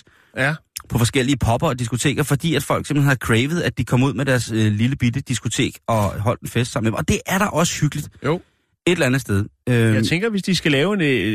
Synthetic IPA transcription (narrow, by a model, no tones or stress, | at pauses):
pʰɒ̽fɒ̽sɡ̥el̰iəpʰɒ̽b̥ɐɒd̥isɡ̥o̝t͡sʰe̝̰ːɡ̥ɐfɒ̽d̥ḭːæd̥fɒ̽l̰ɡ̥seml̩en̩hæɐðˠkʰʁeːʋð̞̩ˠæd̥ikʰɒ̽muð̞̰ˠmeɾ̥æɐsøliləb̥idəd̥isɡ̥o̝t͡sʰe̝̰ːɡ̥ɒ̽ɦɒ̽l̰d̥enfesd̥ɑ̈m̰̩e̥emɒ̽d̥e̝ʔæɐɾɑ̈ʔɒ̽sə̥hyɡ̥əlid̥jo | e̝delɐænð̩ˠsd̥eð̞ˠøt͡sʰeŋɡ̥ɐʋe̝sd̥isɡ̥ælɛːʊen